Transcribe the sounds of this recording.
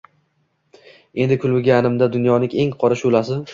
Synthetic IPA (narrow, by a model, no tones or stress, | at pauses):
e̞nd̪ɪkʰʊlbɪɡʲanɪmd̪ad̪ʊnjɒnɪŋe̞ŋqʰɒɾaʃʊlasɪ